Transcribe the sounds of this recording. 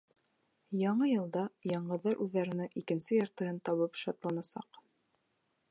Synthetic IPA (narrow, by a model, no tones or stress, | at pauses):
jɑɴɤjɤ̆lˠd̪ɑjɑɴɢɤ̆ðːɑɾʔʉðːæɾɘ̆nɘŋʔikɘ̆nsɘjɑɾt̪ɤ̆ɦɤnt̪ɑβɤpʃɑt̪lˠɑnɑsɑ̰q